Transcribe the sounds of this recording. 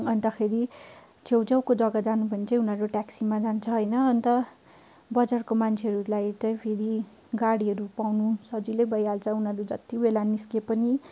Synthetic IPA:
ʌnt̪ʌxʰeɾi | t͡sʰewd͡zʌwkod͡zʌɡʌd͡zanupʌint͡sʌj̃unɦʌɾoʈaksimad͡zant͡sʰʌɦʌjnʌːnt̪ʌ | bʌd͡zarkomant͡sʰeɦʌɾulajt͡sʌpʰeɾi | ɡaɽiɦʌɾupawnusʌd͡zilʌjbʌjalt͡sʰʌunɦʌɾud͡zʌt̪ibelaniskepʌni

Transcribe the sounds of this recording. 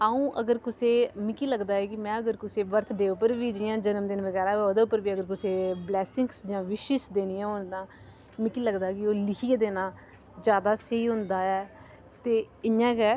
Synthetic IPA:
aːũːʔəɡəɾkʊseːmɪkiːləɡd̪aːɛːkɪmɛ̃ːəɡəɾkʊseːʋəɾt̪ʰɖeːʊpəɾʋiːd͡ʒɪjãːd͡ʒənəmd̪ɪnʋəɡɛːɾaːoːd̪eːʊpəɾʋiːəɡəɾkʊseːblɛːsɪŋksd͡ʒãːʋɪʃɪʃd̪eːnijãːɦʊ̃nd̪ãː | mɪkiːləɡd̪aːɦɛkɪoːlɪkʰiːeːd̪eːnãː | d͡ʒjaːd̪aːsəiːɦʊ̃nd̪aːɛː | t̪eː | ɪɲãːɡɛː

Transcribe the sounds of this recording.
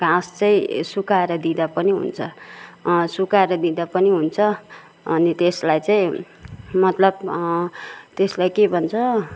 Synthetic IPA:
ɡãst͡sʌĩsukaeɾʌd̪id̪apʌniɦṵnt͡sʰʌ | sukaeɾʌd̪id̪apʌniɦunt͡sʰʌ | ʌ̰nit̪eslajt͡saĩ | mʌt̪lʌb | t̪eslajkebʱʌnt͡sʰʌ

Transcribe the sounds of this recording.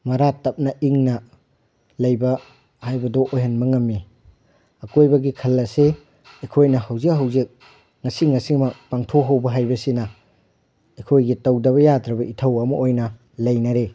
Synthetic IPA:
mɐɾatɐp̚nɐʔiŋnɐ | lɐjbɐ | hajbɐdoʔojɦɐnbɐŋɐmːi | ɐkojbɐɡikʰɐlːɐse | ɐkʰojnɐhawzik̚ɦɐwzik̚ | ŋɐsiŋɐsimɐpaŋtʰoɦawbɐɦajbɐsinɐ | ɐkʰojɡitɐwdɐβɐjadɾɐbɐʔitʰɐwɐmɐʔojnɐ | lɐjnɐɾe

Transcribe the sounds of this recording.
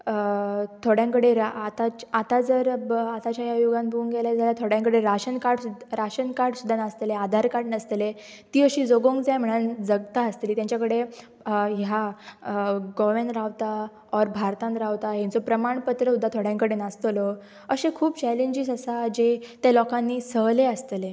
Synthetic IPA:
t̪ʰoɽjãŋkəɽeɾat̪at͡ɕat̪ad͡zəɾat̪at͡ɕjajajuɡãnbʱuːŋɡɛljad͡zʱaljat̪ʰoɽjãŋkəɽeɾaɕənkaɽɾaɕənkaɽsud̪ʱːanast̪lead̪ʱaɾkaʈnast̪le | t̪iːəɕiːd͡zoɡoŋkd͡zajm̤əɽ̃ənd͡zəɡt̪aəst̪liːt̪jãɲt͡ɕjakəɽe | ɦja | ɡɔʋẽnɾaʋt̪a | ɔɾbʱaɾt̪ãnɾaʋt̪ajãnt͡sɔpɾəmaɳpət̪ɾəud̪ʱːat̪ʰoɽ̤jãŋkəɽenast̪lɔ | əɕẽkʰuːpt͡ɕæleɲd͡ʑisəsad͡ʑet̪jalɔkãnːiːsəɦleəst̪le

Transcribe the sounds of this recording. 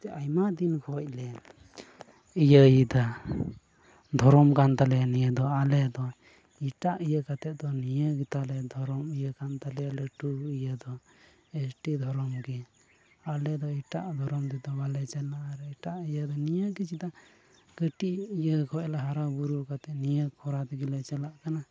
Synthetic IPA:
ɛajmad̪inkʰɔc̚lɛ | ijəjid̪a | d̪ʱɔɾɔmkant̪alɛnijəd̪ɔalɛd̪ɔ | iʈaʔijəkat̪ɛʔ̚d̪ɔnijəɡit̪alɛd̪ʱɔɾɔmijəkant̪alɛlɛʈuijəd̪ɔ | ɛsʈid̪ʱɔɾɔmɡɛ | alɛd̪ɔiʈaʔd̪ʱɔɾɔmd̪ɛd̪ɔbalɛt͡ʃɛlːaʔɾiʈaʔijəd̪ɔnijəkit͡ʃit̪a | ɡ̥əʈiijəkʰɔʔɛlaɦaɾabuɾukat̪ɛʔnijəkʰɔɾat̪ɛɡilɛt͡ʃɛlaʔkana

